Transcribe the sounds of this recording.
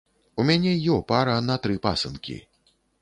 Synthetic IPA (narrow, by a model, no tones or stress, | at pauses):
umʲanʲɛjɔpaɾɐnɐt̪ɾɨpa̰sɨ̰nkʲḭ